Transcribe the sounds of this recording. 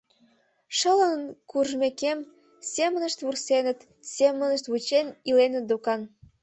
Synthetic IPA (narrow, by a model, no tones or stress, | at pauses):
ʃələnnkuʒmekem | sʲemə̆nəʃt̪βursenə̆t̪ | semə̆nəʃt̪βut͡ɕenilenə̆t̪̚d̪okɑn